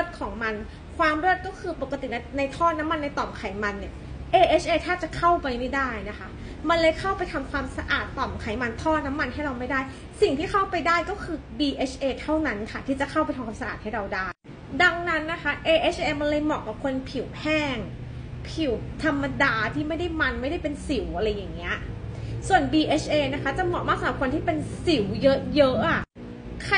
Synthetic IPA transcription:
ɾu˥˩t̪̚kʰɔː˩˦ŋma˧n | kʰwaː˧mɾuː˥˩t̪̚kɔː˥˩kʰɯː˧po˨˩kːa˧t̪i˨˩na˧na˧jt̪ʰɔː˥˩na˦˥mːa˧nːa˧jt̪ɔː˨˩mkʰa˨˩˦jma˧nːi˧˥˩ʔeː˧ʔeː˦˥t͡ɕʰʔeː˧t̪ʰaː˥˩t͡ɕa˨˩kʰa˥˩wpa˧jma˥˩jdaː˥˩jna˦˥kʰa˦˥ | ma˧nlɤː˧jkʰa˥˩wpa˧jt̪ʰa˧mkʰwaː˧msa˧ʔaː˨˩t̪ːɔː˨˩mkʰa˨˩˦jma˧nt̪ʰɔː˥˩na˦˥mːa˧nɦa˥˩ɾa˧wma˥˩jdaː˥˩j | si˨˩ŋt̪ʰiː˥˩ka˥˩wpa˧jdaː˥˩jkɔː˥˩kʰɯː˧biː˧ʔeː˦˥t͡ɕʰʔeː˧t̪ʰa˥˩wna˦˥nkʰa˥˩t̪ʰiː˥˩t͡ɕa˨˩kʰa˥˩wpa˧j̪tʰa˧mʰkʰwaː˧sa˧a̰ː˨˩t̪̚ha˥˩jɾa˧wdaː˥˩j | da˧ŋna˦˥nːa˦˥kʰa˦˥ʔeː˧ʔe˦˥t͡ɕʰʔeː˧ma˧nlɤː˧jmɔ̰˨˩ka˨˩kʰo˧npʰi˨˩˦whʰɛː˥˩ŋ | pʰi˨˩˦wt̪ʰa˧mːa˧daː˧t̪ʰiː˥˩ma˥˩jda˥˩jma˧nma˥˩jda˥˩jpe˧nsi˨˩˦wʔa˧ɾa˧jːa˨˩ŋːi˦˥ɐsu˨˩ənbiː˧ʔeː˦˥t͡ɕʰʔeː˧na˦˥kʰa˦˥t͡ɕa˨˩mɔ˨˩maː˥˩saː˨˦kʰo˧nt̪ʰiː˥˩pe˧nsi˨˩˦wjɤ˦˥jɤ˦˥ʔʔa˨˩ | kʰ

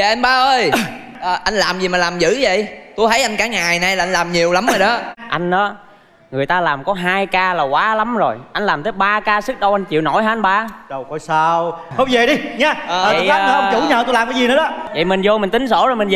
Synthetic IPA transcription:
ja˨ʔɛ˧mɓaː˨˧ʔəː˧j | ʔə˨˩ʔa˧jŋ̟laː˨˩mzi˨˩maː˨˩laː˨˩mzɨ̰˧˥və̰˧˨jt̪u˧jt̪ʰə˨˦jʔa˧jn̟kaː˧˨˦ŋaː˨˩jna˨˩jlaː˨ʔa˧n̟laː˨˩mɲi˨˩əwla˨˦məː˨˩jɗə˨˦ʔa˧jŋ̟ʔɔː˨˦ | ŋɨ˨˩əjt̪aː˧laː˨˩mkɔ˨˦ɦaː˧jkaː˧laː˨˩kwaː˨˦la˨˦mzo˨˩jʔa˧jŋ̟laː˨˩mt̪ʰəː˨˦jɓaː˧kaː˧sɨ˦˥k̚ɗə˧wʔa˧ŋ̟t͡ɕḭ˧˨wno̰˧˩jɦaː˦a˧nɓaː˧ɗə˨˩wkɔ˧˨˦jsaː˧whə˧wŋ͡mve˨˩ɗi˧ɲa˨˦˨əː˨˩˨aː˦nəː˨˦ʔt͡ɕu˧˩˦ɲəː˨˩t̪u˧jlaː˨˩mkaː˨˦zi˨˩nə˨˦ɗɔ˨˦və̰˧˨jmi˨˩ŋ̟zo˧mï˨˩ŋ̟t̪ï˨˦ŋ̟so̰˧˩zo˨˩jmi˨˩nz

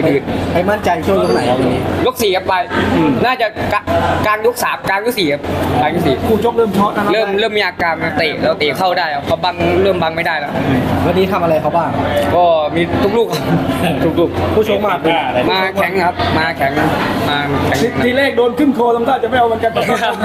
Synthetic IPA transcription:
dɯː˨˩npa˧jma˥˩nt͡ɕa˧jt͡ɕʰu˥˩˨jlu˧˥˩na˨˩jʔa˧wla˧iː˧˩jo˦˥k̚siː˨˩a˦˥ppa˧jnaː˥˩t͡ɕa˨˩ka˧˩kaː˧ŋlo˦˥k̚saː˩˦mkaː˧nju˦˥˩siː˨˩kʰa˦˥p̚aː˧kɔ˦˥˩siː˨˩pʰuː˧˩t͡ɕo˦˥k̚lɤː˥˩mt͡ɕʰɔ˦˥na˧a˦lɤː˥˩mɾɤː˥˩mːiː˧˩aː˧˩kaː˧nma˧t̪iː˨˩la˧˩t̪iː˨˩kʰa˥˩wdaː˥˩ja˧˩kʰɔ˧˦ba˧ŋɾɤː˥˩mba˧ŋma˥˩jdaː˥˩jlɛː˦˩a˧˩˧wɛ˧˩niː˦˥t̪ʰa˧mʔa˧ɾa˧jkʰa˧˦wbaː˥˩ŋkɔː˧˩miː˧t̪ʰu˦˥k̚luː˥˩k̚ʔa˧˩˧t̪ʰu˦˥k̚luː˥˩k̚ʰu˧˥˩u˧ŋmaː˥˩k̚lːa˧maː˧kʰɛ˨˦ŋkʰa˦˧˥p̚maː˧kʰɛ˩˦ŋmaː˧kʰɛ˨˩˦ŋ˧iː˧˩leː˥˩k̚doː˧nkʰɯ˥˩nk̪ʰoː˧la˧mt̪aː˥˩t͡ɕa˨ma˥˩jʔa˧m˧˦nka˧nʰa˨˩˧a˦˥

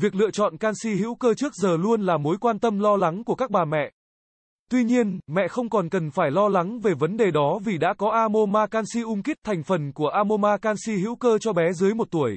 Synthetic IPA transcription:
vi˨˩ək̚lɨ̰˧˨t͡ɕɔ̰˧˨nkaː˧nsi˧hḭ˧˥wkəː˧t͡ɕɨ˦˥ək̚zəː˨˩lu˧ənlaː˨˩mo˨˦jkwaː˧nt̪ə˧mlɔ˧la˨˦ŋku˧˩əka˦˥k̚ɓaː˨˩mɛ̰˧˨ʔ | t̪wi˧ɲi˧ənmɛ̰˧˨xə˧wŋ͡mkɔ˨˩nkə˨˩nfaː˧˩jlɔ˧la˨˦ŋve˨˩və˨˦nɗe˨˩ɗɔ˨˦vi˨˩ɗa̰ː˧˥kɔ˨˦ʔaː˧mo˧maː˧kaː˧nsi˧ʔʊ˧ŋ͡mki˦˥k̚t̪ʰa˨˩jŋ̟fə˨˩nku˧˩əʔaː˧mo˧maː˧kaː˧nsi˧ɦḭ˧˥wkəː˧t͡ɕɔ˧ɓɛ˨˦zɨ˨˦jmo˨˩t̚t̪u˧˩əj

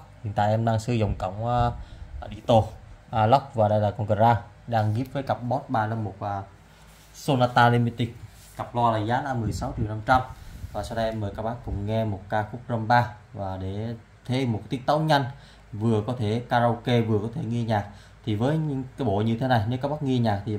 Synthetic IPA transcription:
hi˧˨nt̪a̰ː˧˨jʔɛ˧mɗaː˧ŋsɨ˧zə˨˩wŋ͡mkə̰˧˩wŋ͡mʔɗḭ˧˩t̪o˧ʔla˦˥wk͡p̚vaː˨˩ɗə˧jlaː˨˩kɔ˧nkə˨˩zaː˧ | ɗaː˧ŋɣi˦˥əp̚vəː˨˦jka˨˩p̚ɓɔ˦˥t̚ɓaː˧la˧mːo˨˩t̚əː˧ | so˧naː˧t̪aː˧li˧mi˧t̪i˦˩k̚ | ka˨˩p̚lɔ˧laː˨˩zaː˨˦naː˧mːɨ˨˩əjsa˨˦wt͡ɕi˨˩˨na˧mt͡ɕa˧mvaː˨˩sa˧wɗə˧ʔɛ˧mːəː˨˩jkaː˦˥k̚ɓaː˦˥kːʊ˨˩ŋ͡mŋɛ˧mo˨˩t̚kaː˧xʊ˦˥k͡p̚zə˧mɓaː˧ | vaː˨˩ɗe˧˩ | t̪ʰe˨˦mo˨˩t̪i˦˥ət̚t̪ə˨˦wɲa˧jŋ̟ | vɨ˨˩əkɔ˨˦t̪ʰe˧˩kaː˧zo˧wke˧vɨ˨˩əkɔ˨˦t̪ʰe˧˩ŋi˧ɲaː˨˩k̚ | t̪ʰi˨˩vəː˨˦jɲɨ̰˧˥ŋkaː˨˦jɓo˧˨ɲɨ˧t̪ʰe˨˦na˨˩jne˨˦kaː˦˥k̚ɓaː˦˥ŋi˧əɲaː˨˩k̚t̪ʰi˨˩

